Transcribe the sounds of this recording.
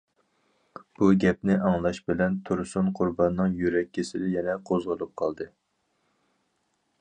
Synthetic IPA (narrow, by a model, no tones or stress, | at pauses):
b̥uɡʲɛp̚nɪʔɑŋlˠɑʃbɪlɛnt̪ʰuɾsʊnqʰʊɾbɑnːɨŋjyɾɛkʲːisɪd̪ɪjɛnɛqʰozʁəlˠup̚qʰɑlˠd̪ɨ